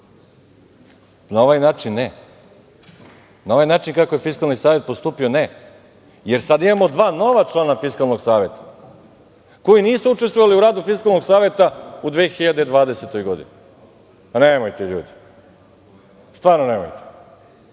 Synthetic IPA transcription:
nao̞ʋajnaːt͡ʂinːe | nao̞ʋajnaːt͡ʃinkakoje̞fiskalˠnisaːʋje̞t̪̚post̪uːpione | je̞ɾsad̪imamo̞d̪ʋaːno̞ʋat͡ʂlˠaːnafiskalˠno̞ɡsaːʋe̞t̪ḁ | ko̞iniːsuut͡ʂe̞st̪ʋoʋaliuɾaːd̪ufiskalno̞ɡsaːʋe̞t̪aud̪ʋexiʎad̪ed̪ʋaːd̪eset̪o̞jɡo̞d̪ḭni | nemojt̪eʎṵːd̪i̥ | st̪ʋaːɾnonemo̰jt̪e̥

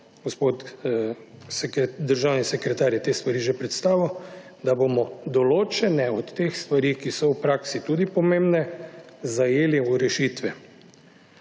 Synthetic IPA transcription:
ɡ̥ospot̪ | skd̪əɾʒawnisɛkɾɛt̪aːɾjɛt̪est̪ʋaɾiːʒɛpɾɛt̪st̪aːʋiw | d̪abomɔd̪ɔloːt͡ʃɛnɛɔt̪ːexst̪ʋaɾiːkisɔwpɾaksit̪uːd̪ipɔmembnɛzajeːliuɾɛʃit̪ʋɛ

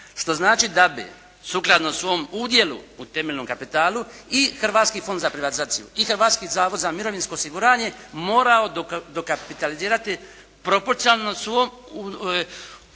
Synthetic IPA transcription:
ʃt̪o̞znaːt͡ʃid̪abḭ | suklˠad̪nosʋo̞muːd̪je̞lˠṵut̪e̞meʎʲno̞mkapit̪aːluixr̩ʋaːt̪skiːfo̞nd̪zapɾiʋat̪izaːt̪sijṵixr̩ʋaːt̪skizaːʋo̞d̪zamiɾo̞ʋinsko̞ːosiɡuɾaːɲe̞mo̞ːɾao̞d̪okapit̪aliziːɾat̪i | pɾo̞po̞ɾt̪sialnosʋomu

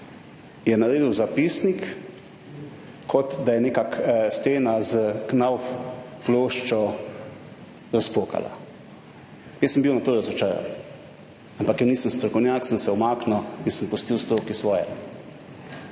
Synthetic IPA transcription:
jɛnaɾeːd̪iwzapiːsnik | ɔt̪d̪ajɛneːkakst̪eːnazəknawfploːʃt͡ʃɔ | ɾaspoːka̰la̰ | jɛsːəmbiwnat̪oːɾazɔt͡ʃaːɾa̰n | ampakjəniːsəmst̪ɾɔkɔwnʲjaːksənsɛɔmaːknawinsəmpust̪iwst̪ɾoːkisʋɔːjɛ̰

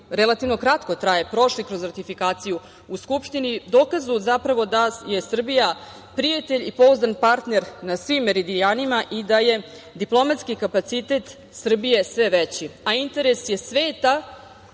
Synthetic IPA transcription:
ɾelˠat̪iʋno̞kɾat̪ko̞t̪ɾajepɾo̞ʃlikɾo̞zɾat̪ifikaːt̪siju | uskupʃt̪inid̪oːkazuzapɾaʋo̞d̪aje̞sr̩bija | pɾijat̪e̞ʎipo̞uzanpaɾt̪ne̞ɾnasʋimːeɾid̪ijaːnimaʔid̪aje̞ | d̪iplˠo̞mat̪skikapat̪sit̪et̪ | sr̩bije̞sʋeʋet͡ɕiaint̪e̞ɾesje̞sʋeːt̪a

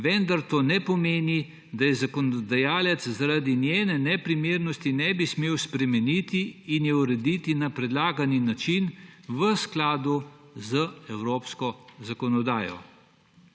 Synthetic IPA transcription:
ʋɛnd̪aɾt̪oːnɛpɔmeːni | d̪ajɛzakɔnɔd̪ajaːlɛt̪szaɾad̪injɛːnɛnɛpɾimeːɾnɔst̪inɛbismeːwspɾɛmɛnit̪iːnjɛuɾɛd̪it̪inapɾɛd̪laːɡaninat͡ʃinʋəsklaːd̪u | zəɛwɾoːpskɔzakɔnɔd̪aːjɔ̰

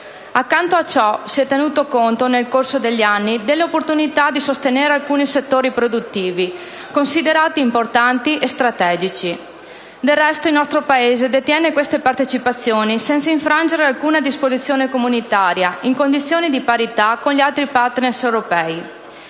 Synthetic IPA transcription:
akːant̪oat͡ʃɔsiɛt̪ːenuːt̪okont̪onelkorsod̪eʎːanːid̪elːeopːort̪unit̪ad̪isost̪eneːɾealkuːniset̪ːoːɾipɾod̪ut̪ːiːvi | konsid̪eɾaːt̪iːmport̪ant̪iʔest̪ɾat̪ɛːd͡ʒit͡ʃi | d̪elːɛst̪oilnɔst̪ɾopaeːzed̪et̪jɛːnekwest̪epart̪et͡ʃipat̪sːjoːnisɛnt̪saiɱfɾand͡ʒeɾealkuːnad̪ispozit̪sːjoːnekomunit̪aːɾjaiŋkond̪it̪sːjoːnid̪ipaɾit̪akonʎialt̪ɾipart̪nersewɾopɛi

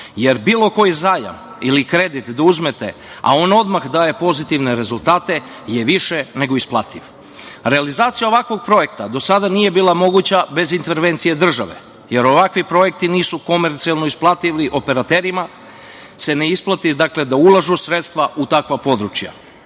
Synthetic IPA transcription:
je̞ɾbiːlˠo̞ko̞jizaːja̰m | ilikɾe̞d̪it̪d̪auzmet̪e̞̰ | a̰o̞nao̞d̪maxd̪aːje̞po̞zit̪iʋne̞ɾe̞zulˠt̪aːt̪e̞ | jeʋiʃe̞ne̞ɡo̞isplˠat̪iʋ | ɾealizaːt̪sijao̞ʋakʋo̞ɡ̚pɾo̞je̞kt̪ad̪o̞sad̪aniːje̞biːlˠamo̞ɡut͡ɕabe̞zint̪e̞ɾʋe̞nt̪sije̞d̪r̩ʒaʋe̞̰ | je̞ɾo̞ʋakʋipɾo̞je̞k̚t̪iniːsuko̞me̞ɾt̪sialˠno̞isplˠat̪iʋliʔo̞pe̞ɾat̪eɾima | se̞neisplˠat̪id̪akle̞d̪aulˠaʒusɾet̪st̪ʋaʔut̪akʋapo̞d̪ɾut͡ʃja̰

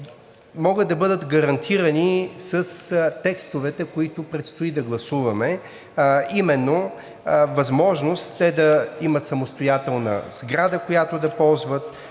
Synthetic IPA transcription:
mɔɡəd̪̚d̪ɐbɤd̪ət̪ɡɐɾɐnt̪ʰiɾənisɐst̪ɛkst̪ʊvɛt̪ɛkoit̪ʊpɾɛt̪st̪ʊid̪ɐɡlˠɐsuvɐmɛ | imɛnːo | vɐzmɔʒnost̪ːɛd̪ɐimət̪sɐmost̪ojat̪ɛlˠnə̰z̥ɡɾad̪əkojat̪ʊd̪ɐpɔlˠzvət̪

